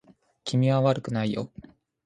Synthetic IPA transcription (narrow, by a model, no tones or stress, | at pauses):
kʲimʲiβaβaɾɯ̟kɯ̟naijo̰